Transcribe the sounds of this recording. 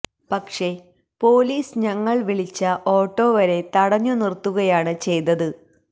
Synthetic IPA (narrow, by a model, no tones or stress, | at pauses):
pɐkʂe̞ | po̞ːliːsɲɐŋːɐɭʋiɭit͡ɕːɐʔo̞ːʈːo̞ːʋɐɾe̞t̪ɐɽɐɲːunirt̪ːuɣɐjaːɳɨt͡ɕe̞jt̪ːɐðɨ